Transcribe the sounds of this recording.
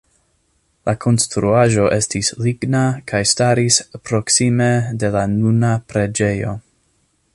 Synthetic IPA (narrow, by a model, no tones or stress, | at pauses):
lʔakʰo̞nstɾuaʒo̞ʔe̞stisliɡnakʰajstaɾispɾo̞ksime̞de̞lanunapɾe̞d͡ʒe̞jo̞̰